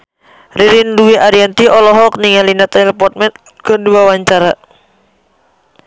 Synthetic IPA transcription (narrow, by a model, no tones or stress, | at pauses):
riɾinluwiʔaɾiant̪iɔlɔɦɔk̚niŋalinat̪ɛlɛpɔt̪̚mɛn | kənduawaɲt͡ʃaɾa